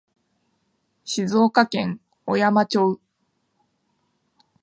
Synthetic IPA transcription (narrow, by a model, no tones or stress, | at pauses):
ɕizo̞ːkakẽ̞ŋ | ojamat͡ɕo̞ɯ